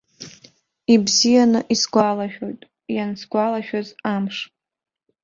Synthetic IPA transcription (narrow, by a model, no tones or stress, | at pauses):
ibzijanɨʔisɡʷalaʃᶣojtʼ | jansɡʷalaʃᶣazamʂʼ